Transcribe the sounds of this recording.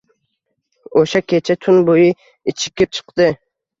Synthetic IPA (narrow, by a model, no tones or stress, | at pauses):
oʃakʲʰet͡ʃʰɛt̪ʰʊnbojɨ | it͡ʃʰɪ̥kʲːip̚t͡ʃʰɨ̥qt̪ɨ